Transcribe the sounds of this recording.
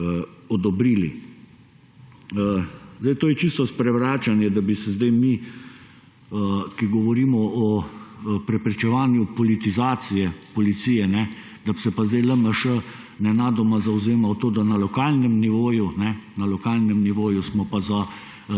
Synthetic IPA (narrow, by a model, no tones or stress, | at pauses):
ɔd̪ɔbɾiːlḭ | zd̪ajt̪oːjɛt͡ʃist̪ɔspɾɛʋɾaːt͡ʃanjɛd̪abisɛzd̪ajmi | kiɡɔʋɔɾiːmɔɔ | pɾɛpɾɛt͡ʃɛʋaːnjupɔlit̪izaːt̪sijɛpɔlit̪siːjɛnɛ | d̪absɛpazd̪ejləməʃə | nɛnaːd̪ɔmazawzeːmawt̪oːd̪analɔkaːlnɛmniʋoːjunɛnalɔkaːlnɛmniʋoːjusmɔpaza